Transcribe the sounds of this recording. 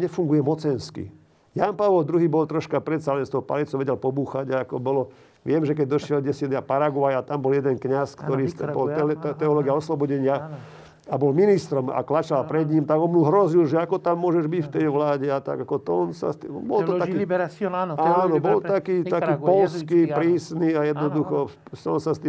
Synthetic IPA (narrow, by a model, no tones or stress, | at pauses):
ɲɛfuŋɡujɛmɔt͡sɛnskḭ | janpaʋɔld̪ɾuɦiːbɔlt̪ɾɔʃkapɾɛt̪salɛnst̪ɔɦɔpa̰lit͡sɔʋɛɟɛlpɔbuːxaɟaakɔbɔlɔ | ʋɪɛmʒɛkɛɟ̚d̪ɔʃɪɛlɟɛsɪad̪apaɾaɡʊajat̪ambɔljɛd̪ɛnkɲaskt̪ɔɾiːbɔlt̪ɛɔlɔɡɪaɔslɔbɔɟɛɲɪa | abɔlminist̪ɾɔma̰klat͡ʃalpɾɛd̪ɲimt̪aɡɔnmuɦɾɔzilʒɛakɔt̪amːʊɔʒɛʒbicft̪ɛjʋlaːɟɛat̪a̰ɡakɔt̪ɔɔnsa̰st̪ibɔlt̪ɔt̪ainanɔbɔlakiːt̪akiːpɔlskipɾiːsniajɛd̪nɔd̪uxɔ | sɔnsast̪iː